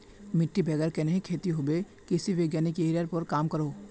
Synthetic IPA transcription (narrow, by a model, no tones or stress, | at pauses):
mɪʈːibʱɛːɡəɾkenɐɦĩkʰeːt̪iɦobe | kɪsiʋjoːɡjaːnikeiɾəɾpəɾkaːmkɐɾoː